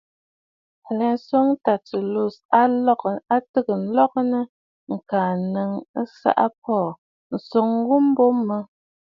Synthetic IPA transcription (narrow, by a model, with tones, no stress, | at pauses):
lɛ˨n̩˦so˦ŋta˨tə˨lu˦˨sa˦ka˦tə˦kə˨n̩˦lɔ˦k̚nə˦ | ŋ̩˨kaː˨nə˨˦ŋə˦sa̰˦ʔa˦p̚ɔː˦˨ | n̩˨so˨ŋ˦ɣu˦m˦bo˦mːə˦